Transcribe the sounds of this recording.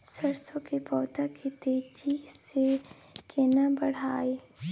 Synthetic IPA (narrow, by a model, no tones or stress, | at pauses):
səɾsõkipɔːt̪akʰit̪eːd͡ʒise | kenabɐɽ̤aːe